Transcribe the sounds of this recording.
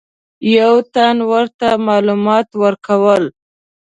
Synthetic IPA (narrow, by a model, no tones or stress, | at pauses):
jawt̪anwəɾt̪amɑlumɑt̪wəɾkawəl